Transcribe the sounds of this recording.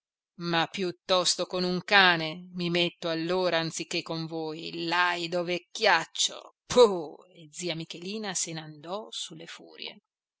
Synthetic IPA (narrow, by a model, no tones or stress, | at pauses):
mapːjut̪ːɔst̪okonuŋkaːnemimet̪ːoalːoːɾaːnt̪sikːekːoɱvoːjlajd̪ovekːjat͡ʃːo̰pʰued̪ziːamikeliːnasenand̪ɔsulːefṵːɾjḛ